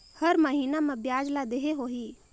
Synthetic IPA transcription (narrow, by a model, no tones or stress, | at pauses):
həɾməɦiːnamẽbjaːd͡ʒlad̪eɦeɦoɦiː